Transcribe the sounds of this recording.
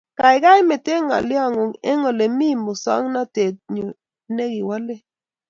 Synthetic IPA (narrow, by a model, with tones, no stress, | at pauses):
ka˨ɪ˨ɡa˦jme˨te˦ŋa̰˨lja˦˨ŋo˨ŋɛ˦ŋɔ˨le˨mi˦˨mo˨sa̰˦ŋna˦te˨t̚ɲo˨ | ne˦ɡɪ˨wa˦lɛ˦